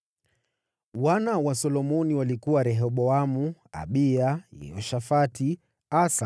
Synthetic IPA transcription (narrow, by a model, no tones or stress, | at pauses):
wanawasɔlɔmɔniwalikuwaɾɛɦɔɓɔamua̰ɓiajɛ̰ɔʃafati | asa